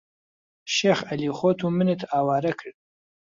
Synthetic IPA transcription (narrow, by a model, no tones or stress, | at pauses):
ʃeχɐliχot̪ʰumɨnet̪ʰaːwaːɾɐkʰəɽ